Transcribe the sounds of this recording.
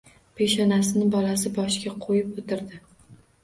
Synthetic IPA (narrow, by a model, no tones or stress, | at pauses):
pʰe̞ʃanasɪnɪbɒlasɪbɒʃɡʲaqʰojɪpot̪ɪɾd̪ɪ